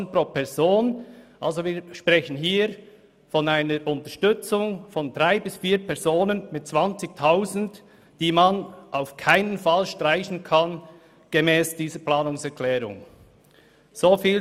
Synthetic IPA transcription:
n̩proːpʰɛʁz̥oːnʔalzoviːʃpʁ̥ɛçən̩ɦiː | fɔnaɪnəɾʔʊntəʃtʏt͡sʊŋfɔndʁaɪbɪsfiːpʰɛɐzoːnənmɪt̚t͡sv̥ant͡sɪçtʰaʊzn̩d | d̥iːmanʔaʊfkʰaɪnənfalʃtraɪçn̩kʰan | ɡ̥emɛːsd̥iːzəplaːnʊŋsɛʁklɛːɾʊ̰ŋ | z̥oːfiːl

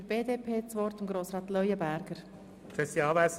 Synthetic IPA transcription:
əɾb̥eːdeːpʰeːt͡sʋɔɾt̪ɪmɡɾoːsɾɑːt̪lœʏəbæɾɡ̥əɾ | fɛsiɑːvæs

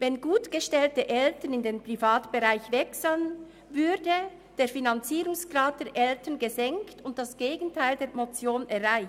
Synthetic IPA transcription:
vɛnɡuːtɡ̥əʃtɛltəʔɛltənɪndeːnpʁ̥ifaːtb̥əʁaɪçvɛksan | vʏdə | d̥eːɐfinant͡siːɾʊŋsɡ̥ʁaːt̚d̥ɛːɾʔɛltənɡəzɛŋktʊnt̚d̥asɡ̥eːɡn̩tʰaɪldeːmot͡sjoːnɛʁaɪ

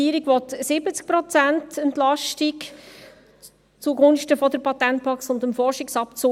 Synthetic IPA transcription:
iːəɾiɡʋɔtsɪbət͡sk̚pɾɔt͡sæntɛntlɑʃtik | t͡suɡʊnʃtəfɔd̪əɾpʰɑtɛnt̚pʰɑksʊndəmfɔrʃɪksɑpt͡so

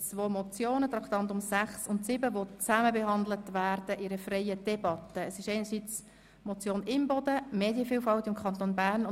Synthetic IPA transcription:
t͡sʋoːmɔt͡sjoːnət̪ɾɑkt̪ɑnt̪ʊmsæχsʊntsɪbəʋot͡sæməbɛɦɑnd̪lətʋæːɾd̥əʔɪɾəfrɛɪəd̥ɛbɑt̪əːsɪʃɛɪnəɾsiːt͡s | mɔt͡sjoːnɪmbɔd̥̪əmeːdjəfiːlfɑltɪmkʰχɑnt̪onbæːrn

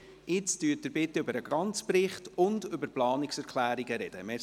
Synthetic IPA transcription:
ɪt͡styːt̚dəɾbɪtːʏbəɾəɡɾɑnt͡spɾɪχtʊndʏbəɾplɑːniksɛɾkʰlæːɾiɡəɾɛd̥əmɛ

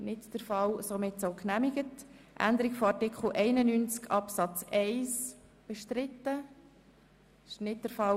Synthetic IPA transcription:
nɪtd̥əɾfɑlsomɪtsoʊknæmɪɡət | ʔæ̰nd̪əɾɪɡfɔɑɾtɪkχl̩ʔɛɪnənynt͡skɑpsɑt͡sɛɪs | b̥ɛʃtɾɪt̪ːə | ɪ̥ʃnɪt̚dəɾfɑl

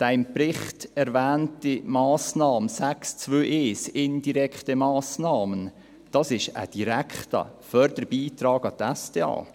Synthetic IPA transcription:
d̥æɪmprɪχtɛɾvæːntimɑːsnɑːməsækst͡svøːʔeːsɪnd̥iɾɛkχtəmɑːsnɑːmən | d̥ɑsɪʃə̰d̥iɾækχtɑ̰ | fœɾdəɾbiːtɾɑːɡɑt̪æsd̥eːɑ̰ː

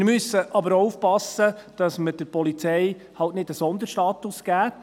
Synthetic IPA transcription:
ɪɾmʏsːəʔɑbəɾoufpɑsəd̥ɑsməd̥əɾpɔlit͡sɛɪ | hɑltnɪd̥əsɔnd̪əɾʃtɑːt̪ʊsɡ̥æː

